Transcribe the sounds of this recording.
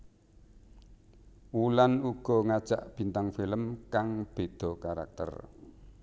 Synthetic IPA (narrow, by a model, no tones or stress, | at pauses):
wulanuɡ̥ɔ̤ŋad̥ʒ̥aʔb̥i̤nt̪aŋfiləmkaŋb̥e̤d̪̥ɔ̤kaɾa̰k̚t̪ə̰r